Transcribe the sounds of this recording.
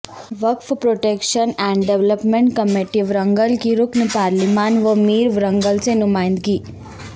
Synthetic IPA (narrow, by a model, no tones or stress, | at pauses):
ʋəkfpɾoʈekʃənɛ̃ɳɖɖeʋləpmẽɳʈkəmeʈiʋɾəŋɡəlkiɾuknəpaːɾlimaːnʋəmiːɾʋɾəŋɡəlt͡senumaːjnd̪ɡiː